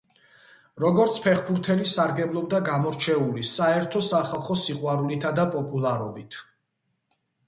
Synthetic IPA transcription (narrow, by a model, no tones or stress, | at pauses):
ɾɔɡɔɾt̪sʰpʰɛχbuɾt̪ʰɛlisaɾɡɛblˠɔb̚d̪aɡamɔɾt͡ʃʰɛulisaɛɾt̪ʰɔsaχalˠχɔsiqʼwaɾulit̪ʰad̪apʼɔpʼulˠaɾɔbit̪ʰ